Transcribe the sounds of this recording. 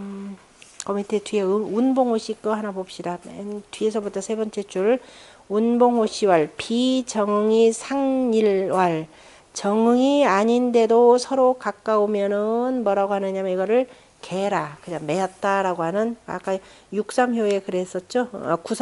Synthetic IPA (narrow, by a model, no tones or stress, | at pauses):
kʌmitʰetwieunboŋhoɕ͈ʰik͈ɯɦanabop̚ɕ͈idantɥie̞sʰʌbutʰʌsʰe̞bʌnt͡ɕ͈e̞t͡ɕ͈uɭ | unboŋɦoɕ͈ʰiwaɭpit͡ɕʌŋɯŋisʰaŋiɭwaɭ | t͡ɕʌŋɯŋiaɲinde̞dosʰʌɾokak͈aomjʌnɯnmʌɾaɡoɦanɯɲamaiɡʌɾɯɭ | ke̞ɾakɯɲaŋme̞at̚t͈aɾaɡoɦanɯna̰k͈a | juk̚s͈amjoe̞kɯɾe̞s͈ʌt̚t͡ɕ͈oʌ̰kusʰ